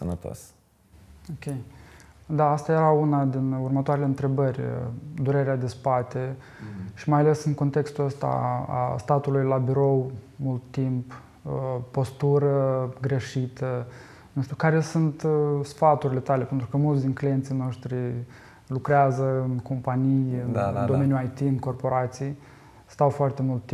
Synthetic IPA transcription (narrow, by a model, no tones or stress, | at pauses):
sənət̪o̰s | okʲej | d̪aast̪ajeɾaunad̪inurmət̪oaɾeleɨnt̪ɾe̞bərʲd̪uɾe̞ɾead̪e̞spat̪e | ʃimajale̞sɨŋko̞nt̪e̞kst̪uəst̪a̰a̰st̪at̪ulujlabiɾo̞wmult̪ːimp | po̞st̪uɾəɡɾe̞ʃit̪ə | nuʃt̪ʲukaɾe̞sunt̪sfat̪uɾʲile̞t̪ale̞pe̞nt̪ɾukəmult̪sʲd̪inklijent̪sijno̞ʃt̪ɾi | lukɾeazəɨnko̞mpanijɨnd̪o̞menjuajt̪iɨnko̞rpo̞ɾat̪siej | st̪awfoart̪e̞mult̪ːi